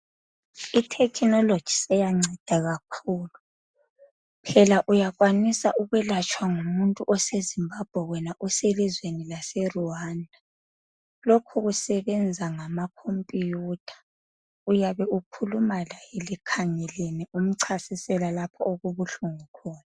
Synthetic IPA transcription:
itʰɛkʰnɔlod̥ʒ̥ʱi̥sɛjaŋ͡ǀʱɛd̥ʱaɣakʰuːlu | pʰɛlaʔujaɣwanisaʔuɣwɛlat͡ʃʰʼwaŋumuntʼuʔɔsezimbab̥ʱɛwɛnaʔuselizwenilasɛruwandʱa | lokʰuɣusɛβɛnd͡zʱaŋamakʰompʼijuːtʰḁ | ujaβɛukʰulumalajɛlikʰaŋɛlenɛum̩ǀʰasisɛlalapʰɔoɣuβuɬuŋikʰɔːna

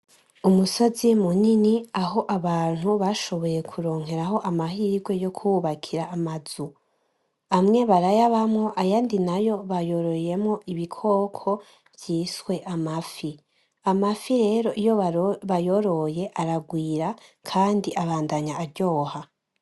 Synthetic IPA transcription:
umuso̞zimuniniaɦo̞ʔaβaːn̥huβaʃo̞βo̞je̞kʰuɾo̞ːŋ̥e̞ɾaɦo̞ʔamaɦiːɡwe̞jo̞kʰuβakʰiɾaːmaz̥u | amŋe̞βaɾajaβamŋo̞ʔajandinajo̞βajo̞ɾo̞je̞mŋo̞ʔiβikʰo̞ːkʰo̞ | vjiːswe̞ʔamafi | amafiɾe̞ːɾo̞ʔijo̞βajo̞ɾo̞je̞ʔaɾaɡwiːɾakʰaːndiʔaβaːndaɲaːɾɟo̞ːha

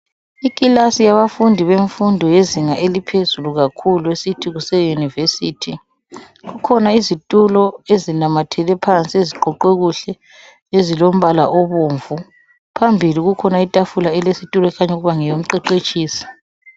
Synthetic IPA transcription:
ikʼilasijaβafundʱiβeɱfundʱɔjeziŋaʔelipʰezuluɣakʰuluesitʰiɣusɛjunivesiːtʰi | ɣukʰɔnaizitʼulɔezinamatʰɛlɛpʰant͡sʼieziǃʱɔǃɛɣuɬɛ | ezilom̩βala̰ʔoβuːɱvu | pʰambʱiliɣukʰɔnaitʼafulaɛlesitʼulɔɛkʰaɲuɣuβaŋɛjom̩ǀɛǃet͡ʃʼiːsi̥

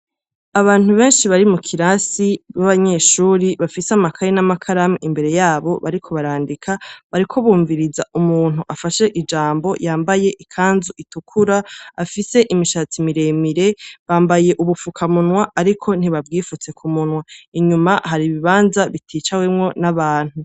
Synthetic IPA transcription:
aβaːn̥huβe̞ːnʃiβaɾimukʰiɾasiβaβaɲe̞ʃuːɾiβafiseamakʰaɾenamakʰaɾamiimbe̞ɾe̞jaːβo̞βa̰ɾikʰo̞βaɾaːndikʰaβaɾikʰo̞βuːɱviɾizaumuːn̥uʔafaʃe̞ʔid͡ʒaːmbo̞jaːmbaje̞ʔikʰaːnzuʔitukʰuɾaafise̞ʔimiʃat͡simiɾe̞miɾe̞βaːmbaje̞ʔuβufukʰamunwaːɾikʰo̞n̥iβabɡiːfut͡se̞kʰumunwaiɲumahaɾiβiβaːnzaβitʰiːt͡ʃawemŋo̞naβaːn̥hu

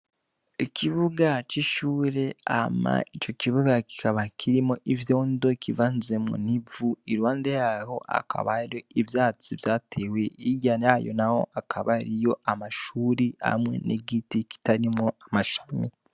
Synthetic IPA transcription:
ikʰiβuɡat͡ʃiʃuːɾe̞ama̰it͡ʃo̞kiβuɡaki̥kaβakʰiɾimo̞ʔivjo̞ːndo̞kʰivanzemŋṵnivuiɾwaːndejaho̞̰ʔa̰kʰa̰βaɾio̞ivjaːt͡sivjaːtʰe̞we̞iɟanajo̞̰naho̞̰akʰaβaɾijo̞amaʃuːɾiha̰mŋe̞̰nʔḛɡitiki̥taɾimŋoamaʃḁmi

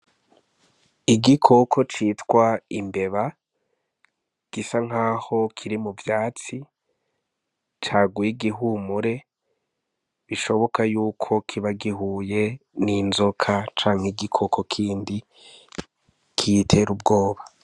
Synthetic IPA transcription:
iɡikʰo̞kʰo̞t͡ʃiːtkwaimbe̞βa | ɡ̥isaŋ̥aːho̞kʰiɾimuvjaːt͡si | t͡ʃaːɡujiɡiɦuːmuɾe̞ | βiʃo̞βo̞kajuːkʰo̞kʰiβaɡiɦuːje̞ninzo̞kʰat͡ʃaːŋ̥hiɡikʰo̞kʰo̞kʰiːndi | kʰitʰe̞ɾub̚ɡo̞ːβa

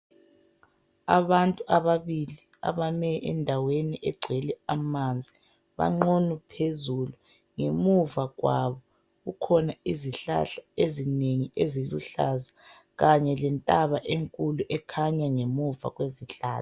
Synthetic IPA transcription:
a̰βantʼuaβaβili | a̰βamɛɛ̰ndʱaweniʔɛɡ͡ǀʱɛlɛamand͡zʱi | βa̰ŋ͡ǃonupʰezulu | ŋemuvaɣwaβɔ | ɣukʰɔnaiziɬa̰ɬaezineŋieziluɬa̰za | ɣaɲɛlɛntʼaβaʔeŋkʼuluʔɛkʰaɲaŋemuva̰ɣweziɬaːa

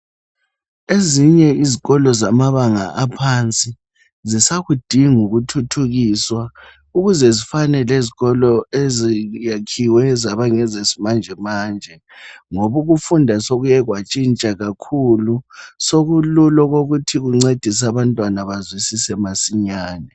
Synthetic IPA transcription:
eziɲɛiziɣɔlɔzamaβaŋa̰ʔapʰant͡sʼi | zisaɣud̥ʱiŋuɣutʰutʰuɣiːswa | uɣuzɛzifanɛleziɣɔlɔezijakʰiwɛzaβaŋɛzesimand͡ʒʱɛmaːnd͡ʒʱɛ | ŋoβuɣufundʱasoɣujɛɣwat͡ʃʼint͡ʃʼaɣakʰulusoɣululɔɣoɣutʰiɣuŋ͡ǀed̥ʱis̬aβantʼwanaβazwisisɛmasiɲaːnɛ

